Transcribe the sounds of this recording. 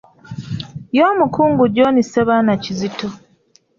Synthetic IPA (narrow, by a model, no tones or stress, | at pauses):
joːmukuːŋɡuɟoːniseβanacizito